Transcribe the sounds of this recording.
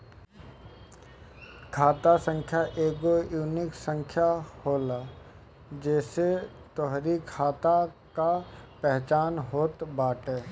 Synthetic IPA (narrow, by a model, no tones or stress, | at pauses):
kʰaːt̪asə̃ŋkʰjaʔeːɡojuːnɪksə̃ŋkʰjahoːla | d͡ʒɛːse | t̪oɦɾikʰaːt̪a | kapɛɦt͡ʃaːnɦoːt̪baːʈeː